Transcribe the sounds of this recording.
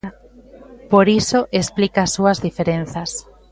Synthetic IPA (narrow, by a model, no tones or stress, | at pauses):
poɾisoʔesplikaːsːuɐzðifeɾen̟θas